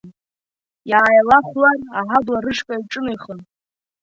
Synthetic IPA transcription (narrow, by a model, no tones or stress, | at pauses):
jaːjalaχʷlaraħablaɾɨʂkʷʼaiʈ͡ʂʼɨnejχən